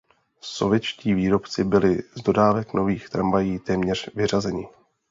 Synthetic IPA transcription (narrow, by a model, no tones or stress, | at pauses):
so̞̰vjɛt͡ʃciːviːɾo̞pt͡sɪbɪlɪzdo̞daːvɛkno̞viːxt̪ɾamvajiːt̪ɛːmɲɛr̝̥vɪrazɛɲɪ